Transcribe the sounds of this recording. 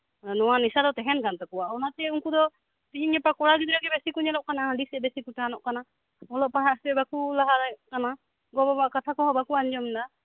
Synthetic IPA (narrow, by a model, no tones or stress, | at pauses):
nɔwanisad̪ɔt̪ɛɦɛnkant̪ɔkɔwaɔnat̪ɛuŋkud̪ɔ | t̪iɲiɲɛpakɔɽaɡid̪ɾaɡɛbɛsikuɲɛlɔʔkanaãɖisɛbɛsikuʈanɔʔkana | ɔlɔʔpaɦaʔsɛbakulaɦaɾaʔkana | ɡɔbɔbaʔkat̪ʰakɔɦɔbakuaɲd͡ʒɔmnd̪a